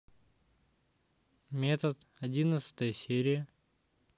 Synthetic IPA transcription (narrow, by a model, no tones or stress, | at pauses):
mʲet̪ət̪ | ɐdʲinət̪sə̥t̪əjəsʲeɾʲɪjə